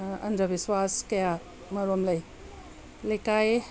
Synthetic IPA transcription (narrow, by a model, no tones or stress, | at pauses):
ɐ̰ndɐbiswaskɐja | mɐɾomlɐj | lekaj